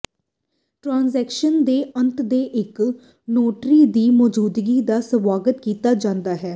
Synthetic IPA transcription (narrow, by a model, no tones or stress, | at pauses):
ʈɾãːnzɛːkʃənd̪eːʔə̃nt̪d̪eːʔɪk | noːʈɾiːd̪iːmɔːd͡ʒuːd̪ɡiːd̪aːsəʋaːɡət̪kiːt̪aːd͡ʒãːnd̪aːɦɛː